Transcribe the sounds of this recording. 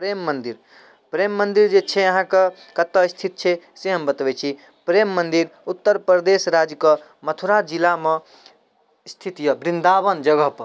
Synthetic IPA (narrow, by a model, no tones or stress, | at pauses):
pɾemːənd̪iɾ | pɾemːənd̪iɾd͡ʒet͡ʃʰɛəɦãke | kət̪ːəist̪ʰit̪̚t͡ʃʰɛseɦəmbət̪ʋɛt͡ʃʰi | pɾemːənd̪iɾut̪ːəɾpɾɾəd̪esɾad͡ʒkə | mət̪ʰuɾad͡ʒilame | st̪ʰit̪ijəbɾind̪aβənd͡ʒəɡəɦpə